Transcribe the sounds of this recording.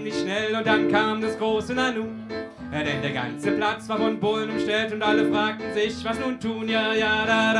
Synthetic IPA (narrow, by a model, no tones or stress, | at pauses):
nɪçʃnɛlʊnt̚d̥ankʰaːmdasɡ̥ʁoːsənanuː | adɛndeːɐɡa̰nt͡səpl̥at͡sv̥aːɐfɔnbolənʊmʃtɛltʊntʔaləfʁ̥aːk̚tn̩zɪçvasnuːntʰuːnjaːjaːda